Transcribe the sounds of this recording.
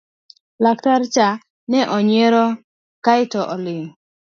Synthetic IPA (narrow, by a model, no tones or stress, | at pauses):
laktaɾt͡ʃa | nɛʔɔɲeɾɔ | kajɪtɔʔɔlɪŋ